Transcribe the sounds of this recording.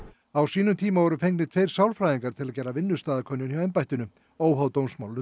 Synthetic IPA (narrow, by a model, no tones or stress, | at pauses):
awsiːnʏmt̪ʰiːmavɔɾʏfejŋknɪt̪ʰvejɾ̥sawlfɾajiŋkaɾt̪ʰɪlaðcɛːɾavɪnːʏ̥st̪aːðakʰɔnjʏnjawɛjmpajht̪ʏnʏ | oːwɦawt̪ownsmawlnʏ